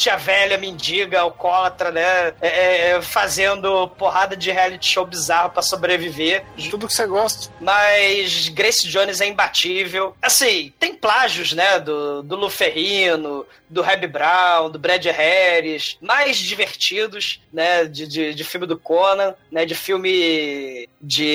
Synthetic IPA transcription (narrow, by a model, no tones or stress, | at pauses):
t͡ʃiɐvɛlɐmĩnd͡ʒiɡɐwkɔlɐt̪ɾɐnɛɛɛfazẽnd̪ʊpoɦad̪ɐd͡ʒɪɦealit͡ʃɪ̥ʃowbizahɐpɾɐsobɾevivet̪ud̪ʊkɪ̥seɡɔst̪ɐ̥mɐjʃɡɾesɪd͡ʒõnɪzɛĩbat͡ʃivewasĩt̪ẽj̃plaʒʊznɛd̪ʊd̪ʊlufeɦĩnʊ | d̪ʊɦɛbibɾaw̃d̪ʊbɾɛd͡ʒɪhɛɾɪʃmajzd͡ʒiveχt͡ʃid̪ʊʃnɛd͡ʒɪd͡ʒɪd͡ʒɪfiwmɪd̪ʊkonɐ̃nɛd͡ʒɪfiwmɪ | d͡ʒɪ